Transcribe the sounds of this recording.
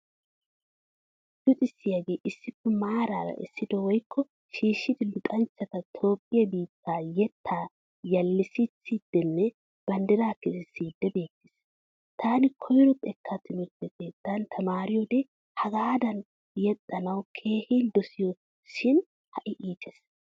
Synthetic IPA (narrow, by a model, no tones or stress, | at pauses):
d̪ʊt̪ʼɪsːɪjaɡe̞ːʔɪsːɪpːɛmaːɾaːɾɐ̰ʔɪ̰sːɪd̪ɔwɔjkʰːɔ | ʃiːʃːɪd̪ɪlʊt̪ʼɐnt͡ʃːɐt̪ɐt̪ʰo̞ːpʼːɪjɐbiːt̪ʰːaːjɛt̪ʰːaː | jɐlːɪsit͡sːiːd̪̥ːɛnːɛ | b̥ɐnd̪ɛɾaːkːɛsɪsiːd̪ːɛbe̞ːt̪ːɪs | t̪ʰaːnɪkʰɔjɾɔpʼɛkʰːɐt̪ːɪnɔtːɛket̪ːant̪ʰɐmaːɾɪjɔd̪e | hɐɡaːd̪ɐn | jɛt̪ʼːɐnɐwkʰe̞ːhind̪ɔsɪjɔ | ʃɪn | hɐʔɪʔiːt̪ʰɛs